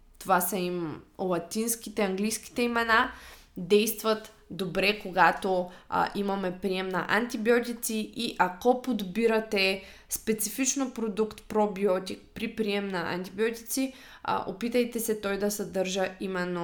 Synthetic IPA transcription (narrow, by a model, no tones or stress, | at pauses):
t̪ovasɐimlˠɐt̪inskit̪ɛɐŋɡlijskʲi̥t̪ɛimɛna | d̪ɛjst̪vɐt̪ | d̪obɾɛkoɡat̪o̰ʔimɐmɛpɾiɛmnɐ̰ʔɐ̰nt̪ibiɔt̪it̪siʔiʔakɔpod̪biɾɐt̪ɛ | spɛt̪sifit͡ʃnopɾod̪ukt̪pɾɔbiɔt̪ʲik̚pɾipɾiɛmnɐʔɐ̰nt̪ibiɔt̪ʲi̥t̪sḭ | ʔo̰pit̪əjt̪ɛsɛt̪ɔjd̪ɐsɐd̪əɾʒəimɛnːo